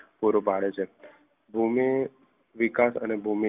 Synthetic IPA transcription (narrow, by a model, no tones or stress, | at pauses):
puɾobʱaɭet͡ʃʰe | bʱumi | ʋikasə̰nebʱumi